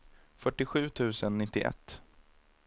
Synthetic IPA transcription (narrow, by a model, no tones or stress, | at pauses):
fœʈːɪɧʉ̟ːt̪ʰʉ̟ːsənːɪt̪ːɪʔɛ̰t̪ː